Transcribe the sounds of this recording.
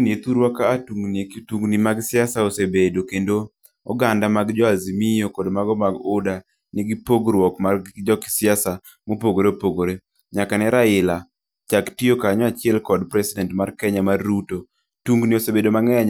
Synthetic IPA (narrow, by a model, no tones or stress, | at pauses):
niet̪uɾwakaːtuŋɡniektuŋɡnimaɡsɪasaosebedokendo | ɔ̰ɡandamaɡd͡ʒɔazimijokɔdmaɡɔmaɡʊda | nɪɡipoɡɾwɔkmard͡ʒɔkɪ̥sɪasa | mopoɡoɾepoɡoɾe | ɲakanɛɾaɪla | t͡ʃaktiokaɲɔat͡ʃɪɛlkɔdpɾɛsɪdɛntmarkɛɲamarːuto | tuŋɡniosebedomaŋɛaɲ